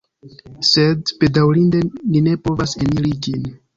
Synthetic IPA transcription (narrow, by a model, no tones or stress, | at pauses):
se̞dpe̞dawɾinde̞nine̞po̞vaseniɾid͡ʒin